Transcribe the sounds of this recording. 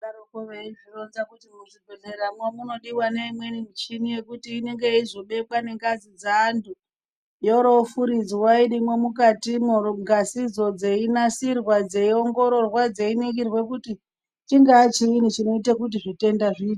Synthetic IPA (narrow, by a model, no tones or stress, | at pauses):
aɾokoʋeiʐironzakutimuʐibʱeɮeɾamwamuno̞ɗiwaneimwe̞nimit͡ʃinije̞kutiːne̞ŋɡe̞izo̞ɓe̞kwane̞ŋɡazid͡zaːntʰu | joɾofuɾid͡ziwaiɗimwemukatimɡʱasid͡zo̞d͡ze̞inasirwad͡ze̞io̞ŋɡo̞ɾo̞rwad͡ze̞iniɡirwe̞k̬uti | t͡ʃiŋɡaːt͡ʃiinit͡ʃino̞itekut̬iʐite̞ndaʐiːt